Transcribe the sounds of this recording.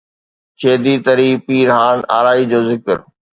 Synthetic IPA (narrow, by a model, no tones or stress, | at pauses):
t͡ɕeːd̪it̪ɐɾiːpiːɾɦãːna̰ːɾaːid͡ʑoːzɪkɪɾ